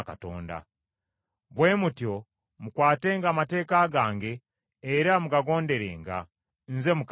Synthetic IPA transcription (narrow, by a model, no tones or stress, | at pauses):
ka̰to̰ːnda̰ | βwe̞ːmutjo̞ | mukwaːteːŋɡaːmate̞ːkaɡaːŋɡe̞ː | ɾamuɡaɡo̞ːnde̞ɾḛːŋɡa̰ | nze̞muk